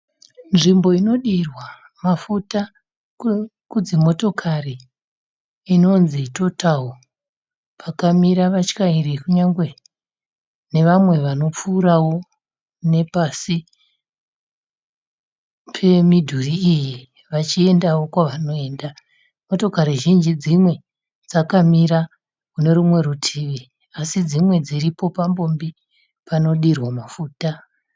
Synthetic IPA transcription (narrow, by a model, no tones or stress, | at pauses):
nʐimbo̞ino̞ɗirwa | mafuta | kud͡zimo̞to̞kʰari | no̞nzito̞tʰawo | pakamiɾaʋat͡ʃkairikuɲaŋɡwe̞ | ne̞ʋamwe̞ʋano̞p͡fuːɾawo̞ | ne̞pasi | pʰe̞midʱuriːji | ʋat͡ʃie̞ndawo̞kwaʋano̞e̞ːnda | mo̞to̞kaɾeʒind͡ʒid͡zimwe̞ | d͡zakamiɾa | kune̞ɾumwe̞ɾutʰiʋi | asid͡zimwe̞d͡ziɾipo̞pambo̞mbi | pano̞ɗirwamafuːta